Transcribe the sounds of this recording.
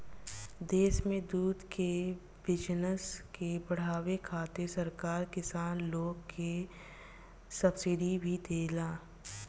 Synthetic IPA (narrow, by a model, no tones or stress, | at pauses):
d̪eːʃmẽd̪uːd̪ke | bɪd͡ʒnəskebɐɽ̤aːwekʰaːt̪esɐɾkaːɾkɪsaːnloːɡke | sɐbsɪɖibʱid̪eːlaː